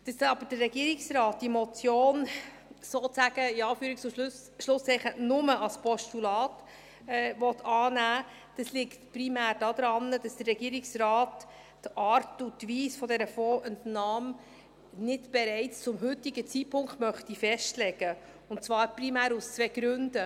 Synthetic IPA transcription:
d̥ɑsɑbəd̥ərːɛɡiəɾɪksɾɑːt̚d̥imɔt͡sjoːn | soːt͡sæɡ̥əɪɑːfyːɾɪkt͡sʊʃls | ʃlʊsɛχənʊməʔɑlspʰɔʃtulɑːt | ɛʋɔt̪ʰɑːnæː | d̥ɑslɪktpɾimæːɾd̥ɑd̥̪ɾɑnːəd̥ɑsd̥ərːɛɡ̥iːəɾɪksɾɑːtː | ʔɑːɾtutʋiːsfɔdɛɾəfɔːɛntnɑːm | nɪdb̥ɛɾɛɪt͡st͡sʊmɦʏtiɡət͡siːt̚pʰʊŋktmœχtifɛʃtlɛɡ̥ə | ʊnt͡svɑːɾprimæːɾust͡sʋɛɡ̥ɾʉnd̥ə

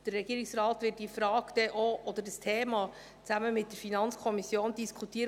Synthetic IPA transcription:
d̥əɾrɛɡ̥iəɾiksrɑːtʋɪt̚d̥ifɾɑːɡd̪̥ɛʔoʔɔd̥̪ədəstʰeːmɑ | t͡sæməmɪt̚d̥əɾfinɑnt͡skʰɔmisjoːnd̥iskʰutiəɾ

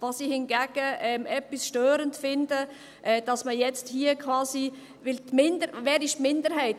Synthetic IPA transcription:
vɑsihɪnɡɛɡ̥əʔɛmʔɛpːisʃtøːɾəntfɪndə | ʔɛːd̥ɑsməjɛt͡sthiːəkʰvɑːsi | vɪltmɪndəɾvɛːɾɪʃtmɪndəɾɦɛɪt

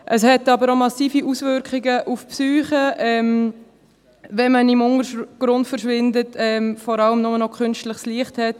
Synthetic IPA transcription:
ʔəshɛtɑbəɾomɑsiːfiʔusʋʏɾkχiɡəʔufpsyːχəɛm | vɛnmənimʊŋəɡ̥ɾʊndfəɾʃʋɪndətɛmfɔɾɑləmnʊmənɔkʰχʏnstləχsliəχthɛt

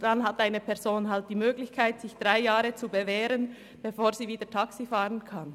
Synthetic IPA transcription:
d̥anɦatʔaɪnəpʰɛɐzoːnɦalt̚d̥iːmøːɡlɪçkʰaɪtz̥ɪçd̥ʁaɪjaːʁət͡subevɛːɾən | b̥efoːɐziːviːdətʰaksifaːʁənkʰan

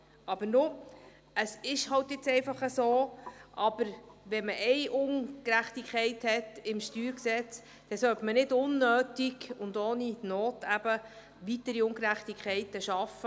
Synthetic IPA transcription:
ɑb̥əɾnʊ | əsɪʃhɑltjɪt͡sɛɪfɑχəsoːʔɑb̥əɾʋɛməʔɛɪʔʊnkɾæχtikʰχɛɪthɛtɪmʃtyːɾksɛt͡s | d̪̥ɛsœltmənɪdʊnːøːtiɡʊnd̪oːninoːtæb̥ə | ʋit̪əɾiʊŋkɾæχtikχɛɪtəʃɑfə

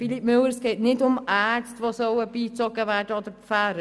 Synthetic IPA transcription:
filip̚mʏlːəɾsɡ̥ɛːtnɪdʊmʔæːstʋosœwəbiːt͡sɔɡəʋæːɹdəɔd̪əɾffæːɾə

